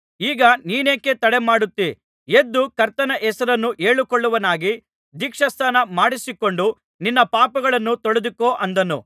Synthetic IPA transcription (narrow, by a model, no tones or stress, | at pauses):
iːɡɐniːneːket̪ɐɽemaːɽut̪ːi | ed̪ːukɐɾt̪ɐnɐʔɛsɐɾɐnːuʔe̞ːɭukɔɭːuʋɐnaːɡi | d̪ikʂɐst̪ʰaːnɐmaːɽisikoɳɖu | ninːɐpaːpɐɡɐɭɐnːut̪oɭed̪ikːoːʔɐnd̪ɐnṵ